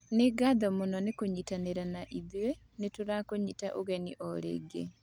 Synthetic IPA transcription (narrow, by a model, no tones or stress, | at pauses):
neɡaðɔmonɔnekoɲitaneɾanaʔiðwe | netoɾakoɲitaʔoɣɛniʔɔɾḛːɡḛ